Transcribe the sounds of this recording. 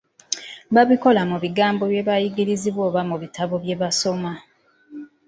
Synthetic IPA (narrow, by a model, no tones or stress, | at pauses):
βaβiko̞lamuβiɡaːmbo̞βje̞βajiɡiɾiziβwo̞ːβamuβitaβo̞βje̞βaso̞ma